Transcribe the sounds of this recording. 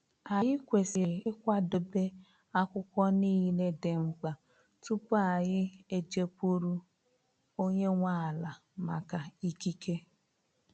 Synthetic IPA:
a˨jɪ˦kʷe˨sɪ˨ɪ˦kʷa˦dʊ˨be˦ | a˦kʷʊ˦kʷɔ˦niː˦le˦de˨ŋ͡m̩˦k͡pa˨ | tu˦pa˨jɪ˦e˦d͡ʒe˦pu˦ɾu˦ | o˦ɲe˦ŋʷa˦˨la˨ | ma˨ka˨i˦ki˦ke˦

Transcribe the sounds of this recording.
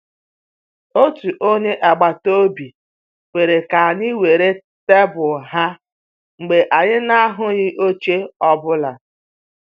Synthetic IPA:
o˦tu˨ʔo˦ɲe˦ʔɛ˨ɡ͡ba˨to˦bi˨ | wʷe˨ɾe˨ka˨ni˦we˨ɾe˦ | te˦bʊ˨ɦa˦ | ŋ͡m̩˨ɡ͡be˨ʔa˨ɲɪ˦na˦ɦʊ˦ɲɪ˦ʔo˦t͡ʃe˦ɔ˦bʊ˦la˨

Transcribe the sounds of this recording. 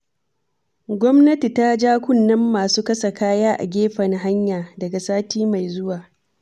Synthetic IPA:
ɡʷɔ˦mnɐ˦ti˨ta˦d͡ʒaː˦kʷʊ˦˨nːɐ˦mːaː˨suː˦kɐ˦sa˨kaː˦jaː˦ʔa̰˨ɡʲeː˦ɸɐ˨ŋɦa˦ɲjaː˨dɐ˨ɡa˨saː˦tiː˦ma˨jzʊ˦waː˨

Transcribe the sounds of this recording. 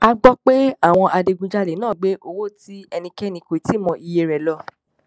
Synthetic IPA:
a˧ɡ͡bɔ˦k͡pe˦a˦˨w̃ɔ̃˧ʔa˧de˧ɡũ˧d͡ʒa˦le˨˦nãː˦˨ɡ͡be˦ʔo˧wo˦ti˦ɛ˧nĩ˧kɛ˦nĩ˧˨ko˨i˨˦ti˦˨mɔ̃˧ʔi˧je˧ɾɛ˨lɔ˧˦

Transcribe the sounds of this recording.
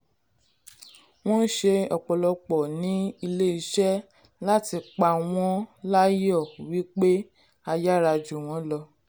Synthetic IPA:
w̃ɔ̃˦n̩˦ʃe˧ɔ˨k͡pɔ˨lɔ˧k͡pɔ˨nĩ˨˦i˧le˦i˧˦ʃɛ˦ | la˦ti˧k͡pa˧˨w̃ɔ̃˦la˦jɔ˦˨wi˦k͡pe˦ | a˧ja˦ɾa˧d͡ʒu˨w̃ɔ̃˨˦lɔ˧

